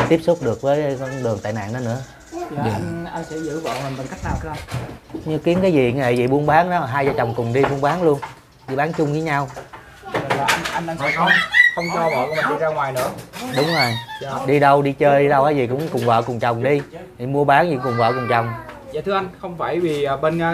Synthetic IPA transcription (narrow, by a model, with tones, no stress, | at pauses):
t̪i˦˥əp̚sʊ˦˥k͡p̚ɗɨ˨˩ək̚vəː˨˦jkɔ˧nɗɨ˨˩əŋt̪a̰ː˧˨jna̰ː˧˨nɗɔ˨˦nɨ̰˧˥əː˨ | ɗi˨˩˧ʔa˧jn̟sɛ̰˧˥zɨ̰˧˥və̰ː˧˨nhə˨˩ɓə˨˩nka˦˥jk̚naː˨˩wk̪a˨˦a˧ɲɨ˧ki˨˦ənkaː˨˦jzi˨˩˨ḛ˧˨˩zḭ˨˩ɓu˧ənɓaː˨˦ŋɗɔ˨˦˨ɦaː˧jzaː˧˩t͡ɕɔ˨˩wŋ͡mkʊ˨˩ŋ͡mɗi˧ɓu˧ənɓaː˨˦nlu˧ən | ɗi˧˩ɓaː˨˦nt͡ɕʊ˧ŋ͡mviː˨˦ɲa˧w | ə˨˩aː˨˩ʔa˧nʔa˧ŋɗaː˧ŋə˧˩˦xə˧wŋ͡mt͡ɕɔ˧vɔ̰ː˧˨˧mə˨˩ɨ˨˦zaː˧ŋwaː˨˩jnɨ̰˧˥əɗʊ˨˦ŋ͡mzo˨˩jɗi˧ɗə˧wɗi˧t͡ɕəː˧ɗi˧ɗə˧wkaː˧jzi˨˩kʊ̰˧˥ŋ͡mkʊ˨˩ŋ͡mvə̰ː˧˨kʊ˨˩ŋ͡mt͡ɕɔ˨˩wŋ͡mɗi˧i˨˩mu˧əɓaː˨˦ni˨˧˩kʊ˨˩ŋ͡mvə̰ː˧˨kʊ˨˩ŋ͡mt͡ɕɔ˨˩wŋ͡m | za̰ː˧˨t̪ʰɨ˧əʔa˧jŋ̟xə˧wŋ͡mfaː˧˩jviː˨˩˨ɓe˧na˧